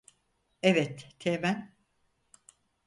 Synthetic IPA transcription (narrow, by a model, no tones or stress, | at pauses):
evɛt̪t̪ʰemæn